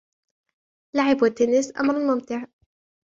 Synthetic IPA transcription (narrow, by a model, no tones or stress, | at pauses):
laʕɪbat̪ːenɪsʔa̰mɾˤalmʊmt̪ɪʕ